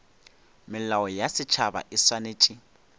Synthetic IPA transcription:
mɪlaɔjasɪt͡ʃʰaba̰ʔɪsaneːt͡ʃʼi

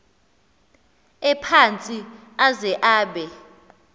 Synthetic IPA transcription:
ɛpʰant͡sʼi | azɛʔaːɓɛ

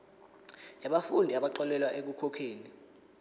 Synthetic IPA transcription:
jaɓafundʱiaɓaǃɔlɛlwaʔek̬ukʰɔkʰeːni

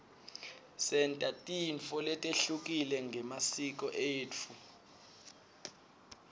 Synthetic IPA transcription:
sɛntʼatʼinfɔlɛtʼeɬuk̬ʼilɛŋɡʱɛmasik̬ʼɔʔeːu

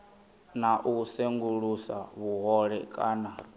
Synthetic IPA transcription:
naʔuseŋɡuɺusaβuɦɔɺɛkʼa̰ːna

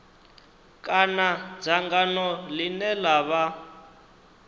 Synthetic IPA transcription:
kʼanad͡zaŋɡanɔlinɛlaβa

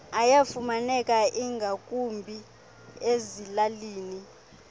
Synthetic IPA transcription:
ajafumanɛkʼaʔiŋɡʱakʼumbʱi | ezilaliːni

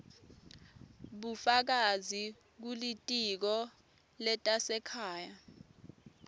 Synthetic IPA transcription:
ɓufak̬azi | k̬ulitʼik̬ɔ | lɛtʼasɛkʰaːja

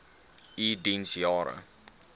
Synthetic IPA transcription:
idinsjɑːɾə̰

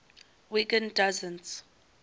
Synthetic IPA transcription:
wikə̃ndazə̃ns

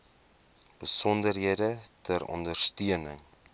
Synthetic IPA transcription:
b̥əsɔndərɦiədətʰəɾɔ̰ndərstyənəŋ

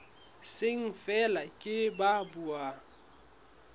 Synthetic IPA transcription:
sɪŋ̩fɛlakʼɪbabua

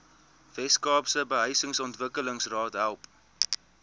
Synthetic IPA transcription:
vɛskɑːpsəbəɦəjsəŋsɔntvəkələŋsrɑːtɦælˠp

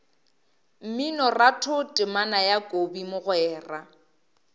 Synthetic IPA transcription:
m̩minɔratʰʊtʼɪmanajakʼobimʊɣwɛːra

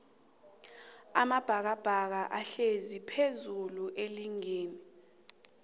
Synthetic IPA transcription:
amab̥ʱak̬ab̥ʱak̬aʔaɬezipʰezuluʔeliŋeːni

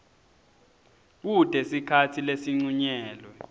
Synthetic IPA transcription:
k̬ud̥ʱɛsikʰatʰilesiŋ͡ǀuɲɛːlwɛ

